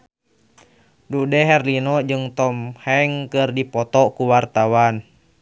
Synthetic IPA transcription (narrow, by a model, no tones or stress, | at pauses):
dudɛɦɛrlinɔd͡ʒɨŋt̪ɔmhɛŋkɨrdipɔt̪ɔkuwart̪awan